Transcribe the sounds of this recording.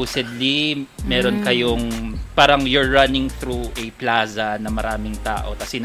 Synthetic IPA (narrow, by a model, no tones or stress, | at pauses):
uːsɛd̪limɛːɾonkɐjoŋpaːɾɐŋjʊɹːɐnɪŋθɾuʔɛplaːzɐnɐmɐɾaːmɪŋt̪a̰ːʔo̰t̪ɐsɪn